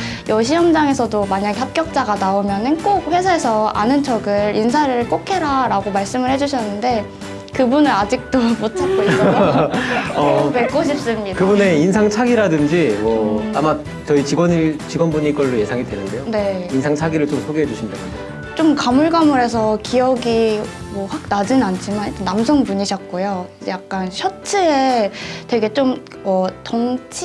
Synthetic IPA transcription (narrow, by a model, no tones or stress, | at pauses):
jʌɕ̬ʰijʌmd͡ʑaŋe̞sʰʌdomaɲaɡeɦap̚k͈jʌk̚t͡ɕ͈aɡanaomjʌnɯnk͈ok̚ɸwe̞sʰaɦesʰʌa̰nɯnt͡ɕʰʌɡɯɾinsʰaɾɯɭk͈okʰe̞ɾaɾaɡomaɭs͈ɯmɯɭhe̞d͡ʑuɕ̬ʰʌnːɯnde̞ | kɯbunɯɾad͡ʑik̚t͈obutʰak̚k͈oiʌ | ʌpek͈oɕʰip̚s͈ɯmɲiakɯbune̞insʰaŋt͡ɕʰaɡiɾadɯnd͡ʑimwʌama | t͡ɕʌit͡ɕiɡwʌnit͡ɕiɡwʌnbuɲik͈ʌɭːoje̞sʰaŋidwe̞nɯnde̞jone̞insʰaŋt͡ɕʰaɡiɾɯɭt͡ɕomsʰoɡeɦed͡ʑuɕʰindekʰande | t͡ɕ͈omkamuɭɡamuɾe̞s̬ʰʌkijʌɡi | mwʌɸwak̚nad͡ʑinant͡ɕʰimanid͡ʑenamsʰʌŋpuɲiɕʰʌk̚k͈ojoid͡ʑejak̚k͈anɕʰʌt͡ɕʰeetwe̞ɡe̞t͡ɕ͈om | ʌtʌŋt͡ɕʰi